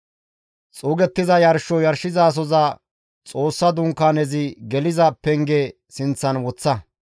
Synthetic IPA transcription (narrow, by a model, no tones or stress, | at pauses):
t͡sʼuːɡɛt̪ːɪzɐjɐɾʃɔjɐɾʃɪzaːs̬ɔzɐ | t͡sʼo̞ːsːɐd̪ʊŋkːaːnɛzɪɡɛlɪzɐpɛŋɡe | sɪnt͡sːɐnwɔt͡sːɐ